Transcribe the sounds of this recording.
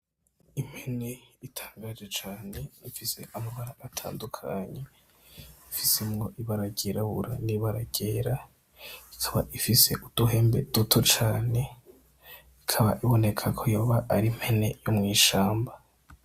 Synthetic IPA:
im̥hene̞itʰḁːŋɡaːʒɡet͡ʃaːne̞nifise̞ʔamaβaɾaʔatʰa̰ːndukʰaɲe̞ | ifisemŋo̞ʔiβaɾaɟeɾaβuɾaniβaɾaɟeːɾa | ikʰaβa̰ʔifise̞ʔud̥uɦe̞ːmbe̞̰d̥utʰo̞t͡ʃaːne̞ | ikʰaβaʔiβo̞ne̞kʰakʰo̞joːβaʔaɾim̥he̞ne̞jomŋiːʃaːmba

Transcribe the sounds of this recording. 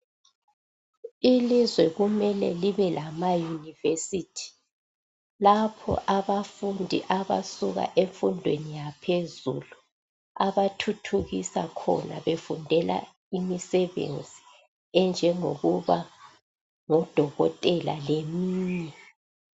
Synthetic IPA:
ilizwɛɣumɛlɛ̰liβɛlʔamajunivesitʰi̥ | lapʰɔ̰ʔaβafundʱiʔaβa̰suɣa̰ʔeɱfundʱwḛnijapʰezulu | aβatʰutʰuɣisakʰɔ̰na̰βefundʱɛla̰ | imisɛβḛnd͡zʱi | ɛnd͡ʒʱɛŋoɣuβa | ŋɔd̥ʱɔɣɔ̰tʼɛla̰lemiːɲɛ

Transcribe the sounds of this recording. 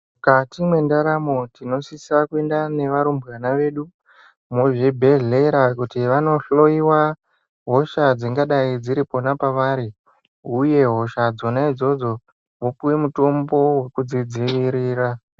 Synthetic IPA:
katimwe̞ndaɾamotino̞sisakue̞ndane̞ʋaɾumbɣanaʋe̞ːɗu | moʐibʱe̞ɮe̞ɾakutiʋano̞ɬo̞iwa | ɦo̞ʃad͡ziŋɡaɗaid͡ziɾipo̞napaʋaːɾi | uje̞ɦo̞ʃad͡zo̞naid͡zo̞d͡zo̞ | ʋopuwemuto̞mbo̞we̞kud͡zid͡ziʋiɾiːɾa

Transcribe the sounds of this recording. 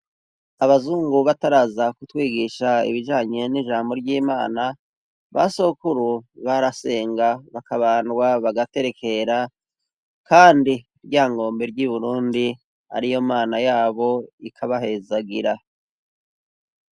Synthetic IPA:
aβazuːŋɡuβataɾazakutwiːɡiʃaḭβiʒaːɲe̞niʒaːmbo̞ɾɟiːmaːna | βa̰sokuɾuβaɾase̞ːŋɡaβakaβaːnɡwaβaɡate̞ɾe̞kʰe̞ɾa | kaːndi | ɾɟaːŋɡo̞ːmbe̞ɾɟiβuɾuːndi | a̰ɾijomaːnajaːβo̞ikʰaβaɦe̞zaɡiɾa

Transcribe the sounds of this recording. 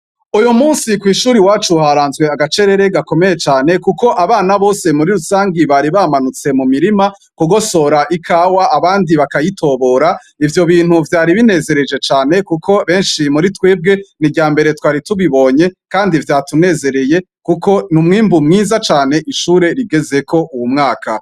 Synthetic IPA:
ujumuːnsikwiːʃuːɾiwaːt͡ʃuhaɾaːnzwe̞aɡat͡ʃe̞ɾe̞ɾe̞ɡako̞me̞je̞t͡ʃaːne̞kuko̞ʔaβaːnaβo̞ːse̞muɾiɾusaːŋɡiβaɾiβaːmanut͡se̞mumiɾima | kuɡo̞so̞ɾaʔikʰaːwaʔaβaːndiβakajitʰo̞βo̞ːɾa | ivjo̞βiːnhuvjaːɾiβine̞ze̞ɾe̞d͡ʒe̞t͡ʃaːne̞kukʰo̞βe̞ːnʃimuɾitweːb̚ɡe̞niɡɟaːmbe̞ɾe̞twaːɾituβiβo̞ɲe̞kaːndivjaːtune̞ːze̞ɾe̞je̞ | kuko̞numŋiːmbumŋiːzat͡ʃaːne̞ʔiʃuːɾe̞ɾiɡe̞ze̞kʰo̞ʔuwumŋaːka

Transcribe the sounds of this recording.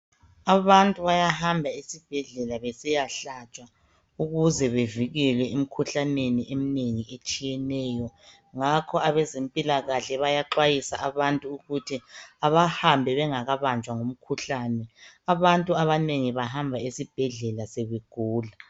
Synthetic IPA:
aβantʼuβajahambʱaisib̥ʱɛɮɛlaβɛsɛjaɬat͡ʃʼa | uɣuzɛβeviɣɛlwɛum̩kʰuɬaneniʔem̩neŋiʔet͡ʃʼijɛnɛːjɔ | ŋakʰɔaβɛzempʼilaɣaɬɛβajaǃwajisa̰ʔaβantʼuuɣutʰiaβahambʱɛβɛŋaɣaβand͡ʒʱwaŋom̩kʰuɬaːnɛaβantʼuaβaneŋiβaɦambʱaisib̥ʱɛɮɛlaseβeɡ̥ʱuːla

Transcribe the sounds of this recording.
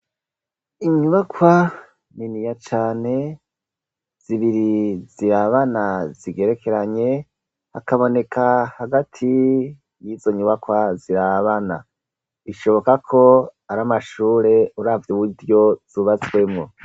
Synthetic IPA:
iɲuβakwa | ninijat͡ʃaːne̞ | z̥iβiɾiziɾaβanaziɡe̞ɾe̞kʰe̞ɾaɲe̞ | ha̰kaβo̞ne̞kahaɡatʰi | jizo̞ɲuβakwaziɾaβana̰ | iʃo̞βo̞kakʰo̞aɾamaʃuːɾe̞uɾavjuβudjo̞z̥uːβat͡swe̞mŋu

